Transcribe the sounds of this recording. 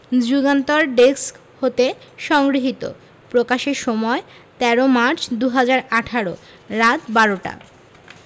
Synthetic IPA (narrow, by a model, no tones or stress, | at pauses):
d͡ʑuɡant̪oɾɖeksk | hot̪eʃɔŋɡɾiɦit̪o̰ | pɾokaʃeɾʃɔmɔe | t̪ɛɾomaɾt͡ɕʰd̪uɦad͡ʑaɾaʈʰaɾo | ɾat̪baɾoʈa̰